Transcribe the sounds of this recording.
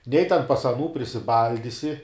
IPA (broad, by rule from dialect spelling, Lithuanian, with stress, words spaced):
nʲɛɪ tʲɛn pɐs ɐˈnuː pʲrʲɪsʲɪˈbɐlʲdʲɪsʲɪ